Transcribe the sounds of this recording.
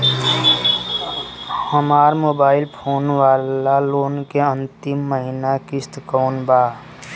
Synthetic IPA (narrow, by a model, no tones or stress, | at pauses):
həmaːɾmoːbaːɪlpʰoːnʋalaloːnkeə̃nt̪ɪmːəɦinakist̪kɔːnbaː